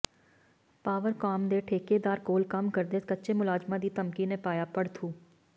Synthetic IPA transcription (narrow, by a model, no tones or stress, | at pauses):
paːʋəɾkaːmd̪eːʈʰeːkeːd̪aːɾkoːlkɐmkəɾd̪eːskətːʃemʊlaːd͡ʒmãːd̪iːt̪əmkinepaːjaːpəɽt̪ʰuː